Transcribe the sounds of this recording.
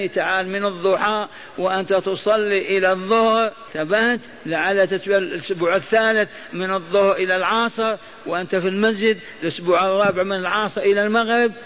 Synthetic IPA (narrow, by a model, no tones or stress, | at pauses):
t̪aʕaːlmɪnɨðˤːʊħaːʔ | wɪʔɪnt̪at̪ʊsˤɑlːiʔɪlaðˤːʊhɾ | θabaht̪ | laʕalːat̪ɪt̪ballʔʊsbuːʕɪθːaːlɪθ | mɪnɨðˤːʊhɾʔɪlalʕɑːsˤɨɾ | wʔɪnt̪afilmas̬d͡ʒɪd̪ | lʔʊsbuːʕɑrˤːɑbɪʕmɪnɪlʕɑːsˤɨɾʔɪlalmaɣɾɪb̚